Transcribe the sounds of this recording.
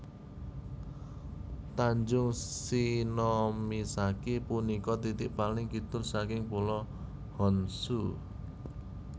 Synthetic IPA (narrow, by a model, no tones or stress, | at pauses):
t̪aɲd͡ʒʊŋsinɔmisakipunikɔt̪it̪ɪʔpalɪŋkit̪ʊrsakɪŋpulɔ | hɔnsu